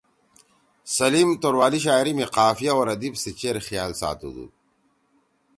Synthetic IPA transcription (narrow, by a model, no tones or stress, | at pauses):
sɐliːmt̪oɾwaːliɕ̬aːjɾimiqaːfijaowɾɐd̪ibsit͡ɕeɾxijaːlsa̰ːt̪ṵd̪ṵ